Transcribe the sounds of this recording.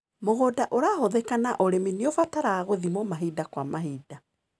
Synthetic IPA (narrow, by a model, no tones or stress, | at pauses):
moɣoːdaʔoɾaːhoðɛkanaʔoɾemineofataɾaːɣoðimomaɦidakwamaɦiːda